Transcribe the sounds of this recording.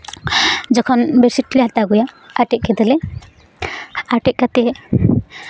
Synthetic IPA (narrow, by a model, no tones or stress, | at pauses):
d͡ʒɔkʰɔnbɛɾsiʈ̚ːlɛɦat̪aɡujaaʈɛʔ̚kɛd̪ɛlɛ | aʈɛʔ̚ˀkat̪ɛ